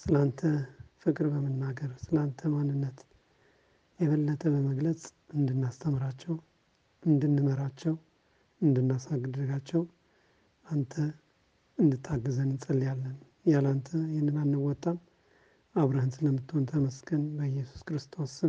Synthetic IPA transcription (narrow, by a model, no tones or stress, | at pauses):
sɨlant̪ʰəfɨkʼɾbəmɨnːaɡəɾsɨlant̪ʰəmanːɨnːət̪ | jɛβəlːət̪ʰʼəbəməɡlət͡sʼ | ɨnd̪ɨnːast̪ʰəmɾat͡ʃːɛw | ʔɨnd̪ɨnːɨməɾat͡ʃːɛw | ɨnd̪ɨnːasaɡd̪ɨɡat͡ʃːɛw | ʔant̪ʰə | ɨnd̪ɨt̪ʰːaɡːɨzənɨnsʼəlːjalːən | jalant̪ʰəjɪhnːɨnanːɨwɔt̪ʼːam | aβɾəhɨnt̪ləmːɨt̪ʰːont̪ʰəməskʰɨnbəjɛsu̥skɾɨst̪ʰo̞s